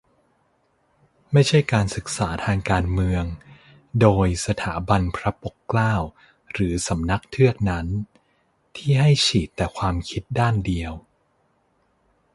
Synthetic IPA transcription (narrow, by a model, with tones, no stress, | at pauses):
ma˥˩jt͡ɕʰa˥˩jkaː˧nsɯ˨˩k̚saː˩˦t̪ʰaː˧ŋkaː˧nmɯ˧əŋ | doː˧jsa˧t̪ʰaː˩˦ba˧npʰɾa˦˥po˨˩kːlaː˥˩w | ɾɯː˩˦sa˩˦mna˦˥k̚t̪ʰɯ˥˩ək̚na˦˥n | t̪ʰiː˥˩ɦa˥˩jt͡ɕʰiː˨˩t̪ːɛː˨˩kʰwaː˧mkʰi˦˥t̪̚daː˥˩ndi˧əw